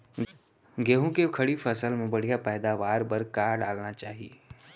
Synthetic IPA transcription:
ɡeːɦũkekʰɐɽifʰɐsəlmẽbɐɽ̤ijapɛːd̪aʋaːɾbəɾkaːɾɖa̰ːlnat͡ʃaːɦie

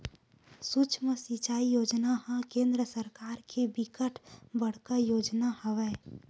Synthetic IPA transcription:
sut͡ʃʰməsit͡ʃaːijoːd͡ʒnaɦãkẽːnd̪ɾəsəɾkaːɾkebɪkəʈʰbəɽ̤kajoːd͡ʒnahəʋɛː

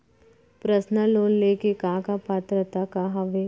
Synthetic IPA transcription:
pɾəsnəloːnleːkekãːkapaːt̪ɾət̪akaɦɐʋe

